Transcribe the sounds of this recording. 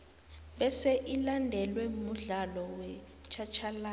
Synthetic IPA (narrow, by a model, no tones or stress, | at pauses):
ɓɛsɛʔilandʱɛlwɛmuɮalɔwɛ | t͡ʃʰat͡ʃʰala